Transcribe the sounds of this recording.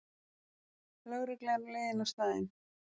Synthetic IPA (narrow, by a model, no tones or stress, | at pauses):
lœːɣɾɪklɛɾleːjðɪnast̪aːðɪ̰n